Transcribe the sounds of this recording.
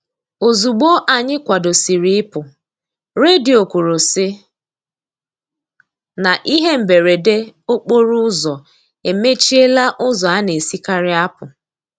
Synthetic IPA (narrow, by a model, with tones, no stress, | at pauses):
o˨zu˨ɡ͡bo˦ʔa˨ɲɪ˦kʷa˨do˨si˨ɾi˦ɪ˦pʊ˨ | ɾe˦di˨o˨kʷo˨ɾo˨sɪ˦ | na˨ʔi˦ɦe˦m̩˨be˨ɾe˨de˦o˦k͡po˦ɾʊ˦ʊ˦zɔ˨ | e˨me˦t͡ʃi˦e˦la˦ʔʊ˦zɔ˨a˦ne˨si˦ka˦ɾɪ˦a˦pʊ˨